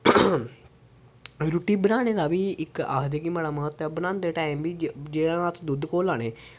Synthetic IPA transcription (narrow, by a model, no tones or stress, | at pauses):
ɾuʈiːbənaːɽ̃eːd̪aːbiːɪka̰ːɦd̪ekiməɽaːməɦət̪ːəbənãːnd̪eːʈaːimbiːd͡ʒeːɽãːət̪ʰd̪ʊd̪koːlaːɽ̃eː